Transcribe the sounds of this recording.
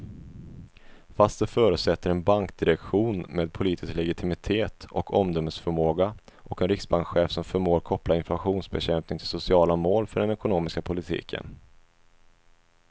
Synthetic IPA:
fast̪̚d̪ɛfœːɾɵsɛt̪ʰːəɾɛnbaŋkd̪ɪɾɛkɧuːnmeːd̪̚pʰʊliːt̪ʰɪsklɛɡɪt̪ʰɪmɪt̪ʰeːt̪ɔkʰɔmd̪ɔməsfœɾmoːɡaʔɔkɛnɾɪksbaŋkɧeːfsɔmfœɾmoːɾkʰɔplaɪnflaɧuːnsbɛɕɛmpnɪŋt̪ʰɪlsʊsɪɑːlamoːlfœɖɛnɛkʊnoːmɪskapʰʊlɪt̪ʰḭːkʰə̰n

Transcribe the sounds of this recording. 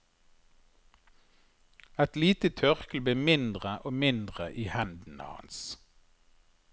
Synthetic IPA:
ɛt̪liːt̪ət̪ʰœʁkəl̩beːmɪnd̪ʁəʔoːmɪnd̪ʁəʔiːhænd̪n̩ɑ̰hɑ̰ns

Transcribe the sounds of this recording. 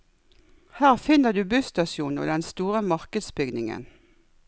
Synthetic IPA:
hæːʁfɪnəd̪ʉːbʉst̪ɑʃjuːnə̰d̪ɛnst̪uːʁəmɑʁkəd̪sbʏɡnɪŋə̰n

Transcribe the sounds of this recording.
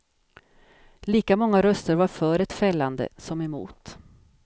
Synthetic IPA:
liːkamɔŋːaɾœst̪əɾvaɾfœːɾɛt̪fɛlːand̪ə̰sɔmɛmṵːt̪

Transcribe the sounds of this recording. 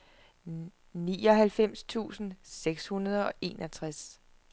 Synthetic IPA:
niːɒ̽ɦælfem̰st͡sʰṵːsn̩seɡ̥shunɐð̞ˠɒ̽ʔe̝ːnɒt͡sʰʁas

